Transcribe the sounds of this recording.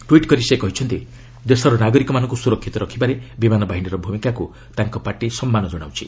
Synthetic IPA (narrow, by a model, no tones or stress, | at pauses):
ʈuiʈkɔɾisekɔɦit͡ʃʰɔnt̪i | d̪esɔɾɔnaɡɔɾikɔmanɔŋkusuɾɔkʰːit̪ɔɾɔkʰibaɾebimanɔbaɦiniɾɔbʱumikaku | t̪aŋkɔpaʈisɔmːanɔd͡ʒɔɽ̃a̰wt͡ʃʰḭ